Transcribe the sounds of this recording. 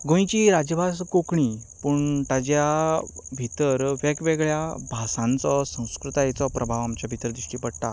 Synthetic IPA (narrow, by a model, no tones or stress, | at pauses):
ɡõj̃t͡ɕiɾad͡ʑjəbʱaskokɳipuɳʈ̪ad͡ʑjabʱit̪əɾʋɛkʋeɡɭjabʱasãnt͡sɔsə̃w̃skɾut̪ajet͡sɔpɾʔəbʱaʋamt͡ɕjabʱit̪əɾd̪ɾiʂʈiːpəɽt̪a̰